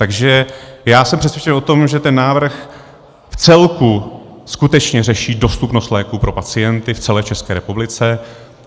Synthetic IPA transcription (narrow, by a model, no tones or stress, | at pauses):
t̪aɡʒɛjaːsɛmpr̝̥ɛsvjɛt͡ʃɛno̞t̪o̞mʒɛt̪ɛnːaːvr̩x | ft͡sɛlku | skut̪ɛt͡ʃɲɛrɛʃiːdo̞st̪upnost̪lɛːkupɾo̞pat͡sɪjɛnt̪ɪft͡sɛlɛːt͡ʃɛskɛːɾɛpublɪt͡sɛ